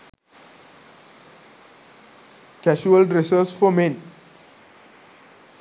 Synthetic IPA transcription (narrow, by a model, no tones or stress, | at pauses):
kɛʃuəlɖɾesəsfɔmẽn